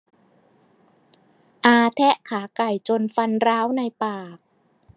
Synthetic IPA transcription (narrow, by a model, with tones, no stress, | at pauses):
ʔaː˧t̪ʰɛ˦˥ʔkʰaː˩˦ka˨˩jt͡ɕo˧nfa˧nɾaː˦˥wna˧jpaː˨˩k̚